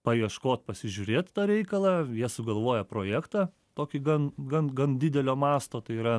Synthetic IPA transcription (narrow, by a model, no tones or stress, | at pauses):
pɐʋiɛʃkoːt̪̚pɐsʲɪʒʲuːɾʲeːt̪t̪ɑːɾʲɛɪkɐlˠɑːjiɛsʊɡɐlˠʋoːjɛpɾoːjæːkt̪ɑː | t̪oːkʲɪɡɐnɡɐnɡɐndʲɪd̪ʲɛlʲoːmɑːst̪oːt̪ɐɪiːɾɐ